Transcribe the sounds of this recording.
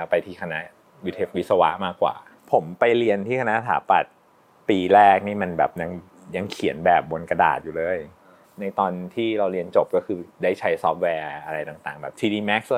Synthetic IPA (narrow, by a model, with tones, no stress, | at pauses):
a˦˥wpa˧jt̪ʰiː˧˩kʰa˧na˦˥ʔ | ju˧˩t̪ʰe˦˥˩wi˦˥sa˧wa˦˥ʔmaː˥˩kːwa̰ː˨˩ | pʰo˩˦mpa˧jɾi˧ənt̪ʰiː˥˩kʰa˧na˦˥t̪ʰa̰ː˩˦pa̰˨˩t̪̚ | piː˧ɾɛː˥˩k̚niː˥˩ma˧nbɛ̰ː˨˩p̚ja˧ŋ | ja˧ŋkʰi˨˩˦nbɛː˨˩p̚bo˧nka˧da̰ː˨˩t̪̚juː˨˩lɤː˧˩j | na˧jt̪ɔː˧nt̪ʰiː˥˩ɾa˧wɾi˧ənt͡ɕo˨˩p̚kɔ˥˩kʰɯː˧daː˥˩jt͡ɕʰa˦˥jsɔː˦˥p̚wɛː˧ʔa˧ɾa˧jt̪a˨˩ŋt̪aː˨˩ŋbɛː˨˩p̚t̪ʰiː˧diː˧mɛ˦˥k̚s